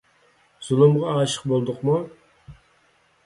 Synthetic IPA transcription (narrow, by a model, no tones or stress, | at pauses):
z̥ulˠumʁɑɑːʃə̥qbolˠd̪ʊqmu